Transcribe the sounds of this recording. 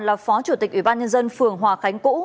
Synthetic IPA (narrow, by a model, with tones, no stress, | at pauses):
nlaː˨˩fɔ˨˦t͡ɕu˧˩t̪i˨˩k̟ʔi˧˩ɓaː˧nɲə˧nzə˧nfɨ˨˩əŋɦwaː˨˩xa˨˦jŋ̟kṵ˧˥